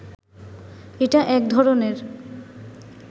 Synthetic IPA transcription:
eʈaʔɛk̚d̪ʱɔɾoneɾ

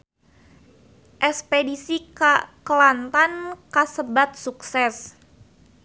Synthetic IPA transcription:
ʔɛspedisikakəlant̪ankasəbat̪̚suksɛs

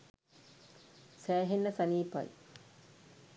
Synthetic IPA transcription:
sæːɦenːəsɐniːpɐ̰j

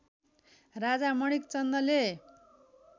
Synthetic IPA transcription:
rad͡zamʌɽ̃ikt͡sʌnd̪ʌle

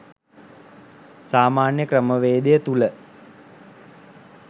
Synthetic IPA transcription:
saːmaːnjəkrəməʋeːd̪ejət̪ulə

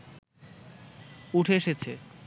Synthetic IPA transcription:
uʈʰeeʃet͡ɕʰe

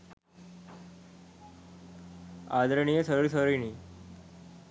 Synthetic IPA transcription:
ad̪ɾəɳijəsəɾuɭsəɾiniː

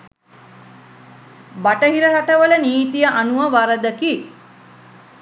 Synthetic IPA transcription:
baʈəɦiɾəɾaʈəʋələniːt̪ijəʔanuəʋaɾəd̪əki

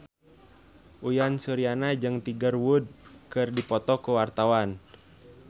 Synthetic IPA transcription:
ʔujansuɾianad͡ʒɨŋt̪iɡərwud̚kɨrdipɔt̪ɔkuwart̪awan

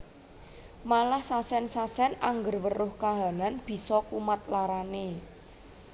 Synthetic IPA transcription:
malahsasɛnsasɛnaŋɡərwərʊhkaɦa̤nanb̥i̤sɔkumat̪̚laɾane

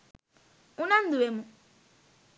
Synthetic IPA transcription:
unãn̩d̪uwemũ

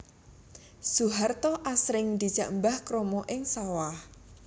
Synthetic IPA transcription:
suɦart̪ɔʔasɾɪŋd̪i̤d̥d͡ʒ̥ä̤ʔmbahkɾɔmɔʔɪŋsawah

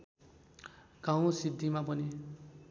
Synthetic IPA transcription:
ɡ̥ãw̃sid̪ʱːimapʌni

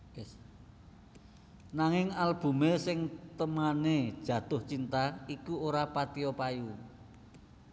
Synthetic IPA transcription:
naŋɪŋalb̥ṳmesɪŋt̪əmaned̥ʒ̥ä̤t̪ʊht͡ʃint̪aikuoɾapat̪iɔpaju

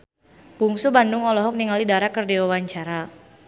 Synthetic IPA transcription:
kuŋsubandʊŋɔlɔɦɔk̚niŋalidaɾakərdiwawaɲt͡ʃaɾa

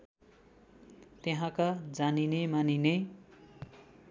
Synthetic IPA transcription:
t̪eɦãkad͡zaninemanine

